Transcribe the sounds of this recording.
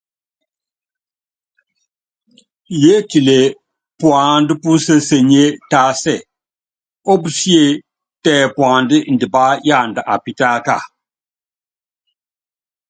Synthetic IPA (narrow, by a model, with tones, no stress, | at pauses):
je˦ti˨le˨ | pwa˨ndi˦pu˦n˦sə˦se˨ɲe˦ta˦sɛ˦˨ | o˦bu˨si˦e˦ | tɛ˨pwa˨ndi˦n˨di˨ba˦ja˦˨nda˨ʔa˨pi˦ta˦ka̰˦˨